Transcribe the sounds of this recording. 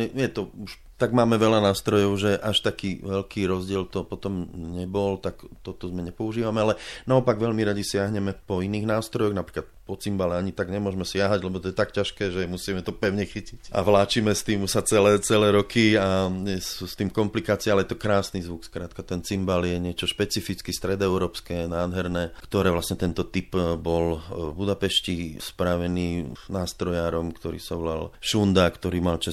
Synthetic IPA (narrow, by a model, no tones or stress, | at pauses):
ɛjɛt̪ɔuʃ | t̪aɡmaːmɛʋɛʎanaːst̪ɾɔjɔʊʒɛʔaʃt̪akiːʋɛʎkʰiːɾɔzɟɪɛlt̪ɔpɔt̪ɔmɲɛbɔlt̪akt̪ɔt̪ɔzmɛɲɛpɔuʒiːʋamɛalɛnaɔpaɡʋɛʎmiɾaɟisɪaɦɲɛmɛpɔiniːɣnaːst̪ɾɔjɔɣnapɾiːklat̪̚pɔt͡simbalɛaɲit̪aɡɲɛmʊɔʒmɛsɪaɦaɟlɛbɔt̪ɔjɛt̪akcaʃkɛːʒɛmusiːmɛt̪ɔpɛʊɲɛxicicʔa̰ʋlaːt͡ʃiːmɛst̪iːmsat͡sɛlɛːt͡sɛlɛːɾɔkʰiaɛsust̪iːmkɔmplikaːt͡siaalɛjɛt̪ɔkɾaːsnizʋukskɾaːt̪kat̪ɛnt͡simbaljɛɲɪɛt͡ʃɔʃpɛt͡sifit͡skist̪ɾɛd̪ɔɛʊɾɔːpskɛnaːd̪ɦɛɾnɛːkt̪ɔɾɛːʋlasɲɛt̪ɛnt̪ɔt̪ipbɔlvbud̪apɛʃcispɾaʋɛniːnaːst̪ɾɔjaːɾɔmkt̪ɔɾḭːsaɔla̰lʃund̪akt̪ɔɾiːmalt͡ʃa